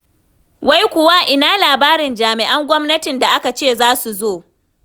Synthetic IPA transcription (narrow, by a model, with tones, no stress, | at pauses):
wa˦jkʷʊ˦wa˦ʔɪ˨naː˦laː˨baː˦ɾɪ˨nd͡ʒaː˨mɪ˨ʔa˦ŋɡʷɔ˦mnɐ˦tɪ˨nda˨ʔa˦ka˨t͡ʃeː˦˨zaː˦su˨zoː˦˨